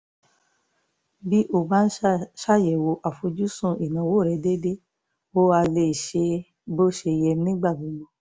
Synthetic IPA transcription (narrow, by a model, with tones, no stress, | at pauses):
bi˦ʔo˦˨ba˦n̩˦ʃa˦˨jɛ˨wo˧ʔa˨fo˧d͡ʒu˦sũ˦˨i˨nã˨wo˦˨ɾɛ˨˦de˦de˦ | o˦a˧le˧˨ʃe˧ | bo˦ʃe˧˨jɛ˧nĩ˦ɡ͡ba˦˨bũ˨˦lo˧˦